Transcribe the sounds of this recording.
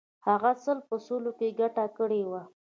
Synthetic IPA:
haɣasəlpəsolokeɡaʈakəɽewa

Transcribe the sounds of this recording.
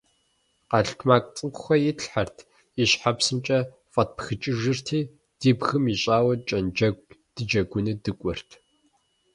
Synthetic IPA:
qɑɬtʰmaːkʷʼt͡sʼɨmqʷʊxʷɐjɪtɬħartʰ | iɕħapsɨmt͡ʃʼɐ | fʼɐt̚pʰxɨt͡ʃʼɪʒɨrtʰiː | d̥iːbɣɨmiɕʼaːwɐt͡ʃʼɐnɐd̥ɨd͡ʒɐɡʷʊnɨdɨkʷʼɔr̥tʰ

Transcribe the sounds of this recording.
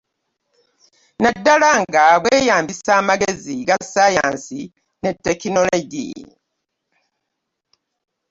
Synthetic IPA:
nadːalaŋɡaβweːjaːmbisaːmaɡeziɡasaja̰ːnsi | netːe̞kino̞loɟḭ

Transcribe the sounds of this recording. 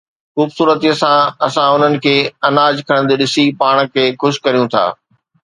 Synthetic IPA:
xuːbsuːɾət̪iəsãɐsãʊn̤ənɪ̆kʰeːɐnaːd͡ʑkʰɐɽ̃d̪eɗɪsipaːɽ̃kʰeːxʊʃkɐɾijũt̪ʰa̰ː

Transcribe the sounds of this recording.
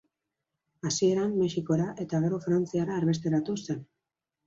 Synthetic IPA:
asie̞ɾamːe̞ʃiko̞ɾaʔe̞t̪aɣeɾofɾant͡siaɾaːɾβe̞st̪e̞ɾat̪use̞n

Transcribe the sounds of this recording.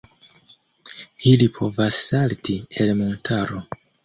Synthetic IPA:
ilipʰo̞vasːaltielmontʰaɾo̞

